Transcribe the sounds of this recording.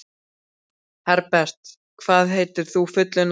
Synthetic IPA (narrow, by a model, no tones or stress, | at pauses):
hɛɾpɛr̥t̪ | kʰvaːðɦeːjt̪ɪɾ̥θufʏt̪lɪn